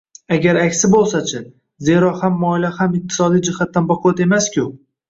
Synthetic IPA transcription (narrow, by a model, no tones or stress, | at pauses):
aɡʲaɾakʲsɪbolˠsat͡ʃʰɪ | ze̞ɾɒhamːɒɪlahamɪq̚t̪ʰɪ̥sɒd̪ijd͡ʒɪhat̪ːanbaqʰɔt̪e̞maskʲʰʊ